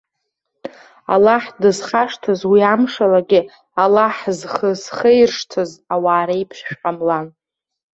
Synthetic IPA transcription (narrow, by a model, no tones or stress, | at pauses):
a̰laħdɨzχaʂtʰɨzwiamʂalaɡʲɪ | alaħzχəzχejrʂtʰɨzawaːɾejpʰʃʃᶣqʼamlan